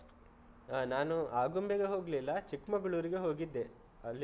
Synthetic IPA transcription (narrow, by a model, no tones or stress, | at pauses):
aːnaːnuaːɡombeɡeɦo̞ːɡlilːɐt͡ʃikmɐɡɐɭuːɾiɡe̞ɦo̞ːɡid̪ːe̞ | ɐlːi